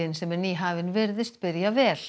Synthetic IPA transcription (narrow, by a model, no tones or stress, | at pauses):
ɪnsɛmɛɾniɦaːvɪnvɪɾðɪst̪̚pɪɾjavɛːl